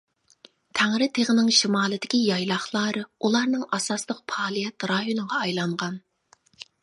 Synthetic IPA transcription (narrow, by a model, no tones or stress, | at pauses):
t̪ʰæŋɾɪt̪ʰeʁənɪŋʃimɑːlˠɨd̪ɪkʲijɑjlˠɑχlˠɑːɾɨulˠɑɾnɨŋʔɑsɑslˠəq̚pʰɑːlˠijɛt̪ɾɑjonɨʁɑɑjlˠɑɴʁɑn